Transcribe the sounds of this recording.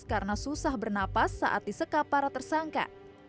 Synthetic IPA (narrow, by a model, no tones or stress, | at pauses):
kaɾənasusahbərnapasːa̰ʔa̰t̪̚disəkapːaɾat̪ərsaŋka̰